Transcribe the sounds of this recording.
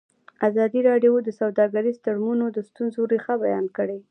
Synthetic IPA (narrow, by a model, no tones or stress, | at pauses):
azɑd̪iɾɑɖjod̪əsawd̪ɑɡaɾist̪aɽmunod̪əst̪unzoɾixabajɑnkəɽe